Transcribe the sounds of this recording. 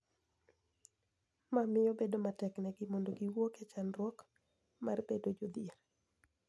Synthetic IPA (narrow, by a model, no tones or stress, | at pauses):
mamɪjɔbedomatɛknɛɡɪmondoɡiwokɛt͡ʃanrwɔk | marbedod͡ʒod̪ieɾ